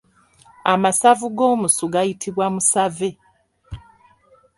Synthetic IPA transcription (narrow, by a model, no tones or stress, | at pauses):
amasavuɡo̞ːmusuɡajitʰiβwamusave̞